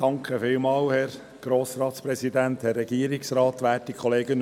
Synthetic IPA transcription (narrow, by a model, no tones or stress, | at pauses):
d̥ɑŋkʰχəfɪlmɑːlhɛɾ | ɡ̥ɾoːsɾɑːtspɾɛsid̪ænthɛrːɛɡ̥iːəɾɪksɾɑːt̪ʋæːtːikʰχɔleːɡən